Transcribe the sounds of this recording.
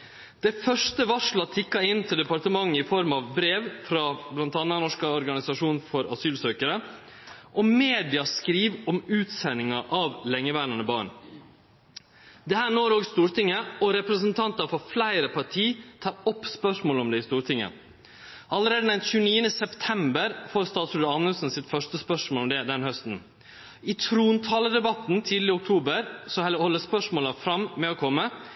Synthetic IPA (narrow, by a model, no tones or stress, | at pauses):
d̪̥ɛfœʂʈəʋɑʂɭɑt̪ʰɪkːɑɪnːt̪ʰɪld̪ɛpɑɾʈ̪əmɑŋːəɪfɔɾmɑʋbɾeːʋfɾɑblɑnt̪ɑːnːɑnɔʂkɑɔɾɡɑnɪsɑʂuːnfɔɾɑ̰syːlsøːkəɾə | ʔɔmeːd̪ɪɑskɾiːʋɔmʉːt̪sɛnːɪŋɑʔɑʋlɛŋːəʋæːɾənəbɑːɳ | d̪ɛhæːɳoːɾoːɡst̪uːɾt̪ɪŋːəɔɾɛpɾəsənt̪ʰɑnt̪ɑɾfɔɾflæɪɾəpʰɑʈʰiːt̪ʰɑːɾɔpːspœʂmoːlɔmd̪ɛɪst̪uːɾt̪ʰɪŋːə̰ | ʔɑləɾeːd̪əd̪ɛnçʉːniːənəsɛpt̪ʰɛmbəɾfɔɾst̪ɑːt̪sʉːɑnəlsn̩sɪt̪fœʂʈəspœʂmoːlɔmd̪ɛd̪ɛnhœst̪n̩ | ɪt̪ʰɾuːnt̪ʰɑːləd̪ɛbɑt̪ːnt̪ʰiːd̪lɪʊk̚t̪ʰuːbəɾsɔhɛləhɔlːəspœʂmoːlɑfɾɑmmɛɔkʰɔmːə